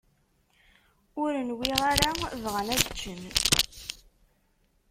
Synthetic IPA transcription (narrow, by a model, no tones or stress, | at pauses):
ʊɾənwiʁaɾavʁənædt͡ʃːən